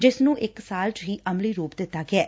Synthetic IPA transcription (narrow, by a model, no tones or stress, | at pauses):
d͡ʒɪsnũːʔɪksaːlt͡ʃɦiːʔəmliːɾuːpd̪ɪt̪ːaːɡɪɛː